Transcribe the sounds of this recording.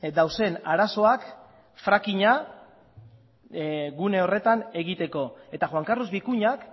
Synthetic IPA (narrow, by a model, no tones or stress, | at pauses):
d̪awse̞naɾaso̞ak | fɾakiɲa | ɣune̞o̞re̞t̪ane̞ɣit̪e̞ko̞e̞t̪axwaŋkaruzβikuɲak